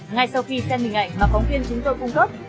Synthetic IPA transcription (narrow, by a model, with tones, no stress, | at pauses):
ŋa˧jsa˧wxi˧sɛ˧nɓï̟˨˩ʔa̰˧˨jŋ̟vaː˨˩fɔ˨˦wvi˧ənt͡ɕʊ˨˦ŋ͡mt̪o˧jkʊ˧ŋ͡mkə˦˥p̚